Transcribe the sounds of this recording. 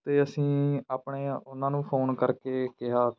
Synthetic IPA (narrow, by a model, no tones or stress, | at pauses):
t̪eːəsĩːaːpɳeːʊnãːnũːpʰoːnkəɾkeːkɪɦaː